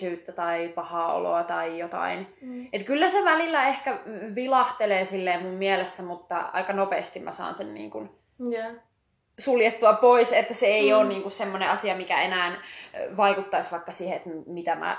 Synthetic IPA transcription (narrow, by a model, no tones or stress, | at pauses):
yːt̪ːæt̪ɑipɑhɑːo̰lo̰ɑt̪ɑijot̪ɑ̰inet̪kylːæseʋælilːæehkæʋilɑht̪eleːsilːeːmummielesːæmut̪ːɑ̰ɑ̰ikɑnopḛːst̪immʔæ̰sɑ̰ːnsennḭːŋkun | suljet̪ːuɑpoiset̪ːæseeioːnniːŋkussemːoneɑsiɑmikæenæːnʋɑikut̪ːɑisʋɑikːɑsiːheet̪mit̪æmæ̰